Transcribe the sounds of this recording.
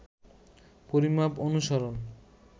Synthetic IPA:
poɾimaponuʃaɾon

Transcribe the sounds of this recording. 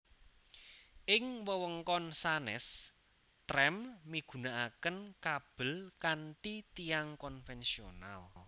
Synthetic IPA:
ʔɪŋwəwəŋkɔnsanɛ̰s | t̪ɾɛmmiɡ̥ṳnaʔakənkab̥ə̤lkanʈit̪iaŋkɔnfɛnsiona̰l

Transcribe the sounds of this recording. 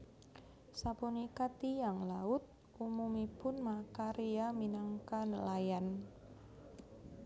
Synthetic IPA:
sapunikat̪ijaŋlaʊt̪̚ | umumipʊnmakaɾiaminaŋkanəlajan

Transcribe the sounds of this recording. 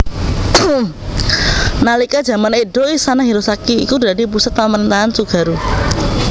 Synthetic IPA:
nalikad̥ʒ̥ä̤maneɖoisanaɦiɾosakiikudadip̬usat̪̚pəməɾint̪aɦansuɡ̥a̤ɾu

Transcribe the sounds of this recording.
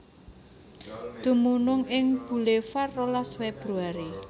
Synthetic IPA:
d̪̥ṳmunʊŋɪŋb̥ṳlefarːolasweb̥ɾuaɾi

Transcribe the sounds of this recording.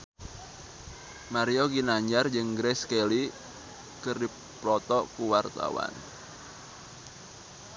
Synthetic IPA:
maɾijoɡinaɲd͡ʒard͡ʒɨŋɡɾɛskeli | kərdi | plɔt̪ɔʔkuwart̪a̰wa̰n

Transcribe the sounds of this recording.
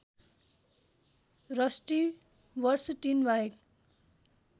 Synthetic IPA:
rʌsʈi | bʌrsʈinbaɦek

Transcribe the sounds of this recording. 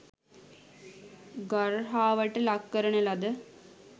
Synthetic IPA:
ɡarɦaːʋəʈəlakːəɾənəlad̪ə

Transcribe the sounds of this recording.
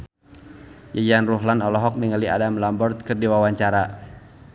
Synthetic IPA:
jaɡanruɦlanɔlɔɦɔk̚niŋəlia̰damlambɔrt̪̚kɨrdiwawaɲt͡ʃaɾa

